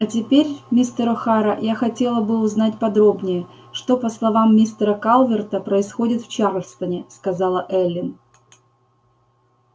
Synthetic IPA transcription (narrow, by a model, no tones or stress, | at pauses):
ɐtʲɪpʲeɾʲmʲist̪əɾʊxaɾəjaxɐtʲe̞lˠəbɨʊznatʲpɐd̪ɾo̞bnʲɪjə | ʂt̪o̞pəslˠɐvamːʲist̪ɾəkalˠvʲɪrt̪əpɾəɪsxo̞dʲɪt̪ft͡ɕaɾəfst̪ənʲɪskɐzɑlˠəʔɛlʲːɪn